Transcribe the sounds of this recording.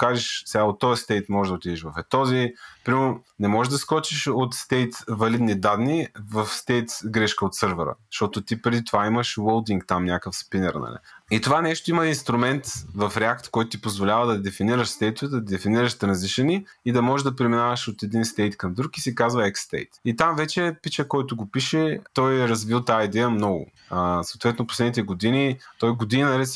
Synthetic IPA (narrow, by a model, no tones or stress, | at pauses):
kaʒiʃsɛaot̪ːɔəst̪ɛjt̪mɔʒɛd̪ɐot̪id̪ɛʃvɐfɛt̪ɔzipɾimɛɾonɛmɔʒɛʒd̪ɐskɔt͡ʃiʃot̪st̪ɛjt̪vɐlid̪nid̪ad̪nivɐfst̪ɛjt̪ɡɾɛʃkəot̪sɤɾvəɾə̰ʃt̪ɔt̪ʊt̪ipɾɛd̪it̪ovaimɐʃwolˠd̪iŋkt̪amnʲakəfspinɛɾnɐ̰lḭit̪ovanɛʃt̪ʊimɐinst̪ɾumɛnt̪vɐfɾɛakt̪kɔjt̪ʊt̪ipozvolʲavəd̪ɐd̪ɛfiniɾəʃst̪ɛjt̪ʊvɛd̪ɐd̪ɛfiniɾəʃt̪ɾɐ̃nziʃɛniːd̪ɐmɔʒɛʒd̪ɐpɾɛminavɐʃot̪ɛd̪inst̪ɛjt̪kɐmd̪ɾukisɛkazvɐɛkst̪ɛ̰jt̪it̪amvɛt͡ʃɛpit͡ʃəkɔjt̪ʊɡopiʃɛt̪ɔjɛɾɐzvilˠt̪aid̪ɛjəmnɔɡʊ̰ | əsɐʊt̪vɛt̪noposlɛd̪nit̪ɛɡod̪init̪ɔjɡod̪inɐɾɛs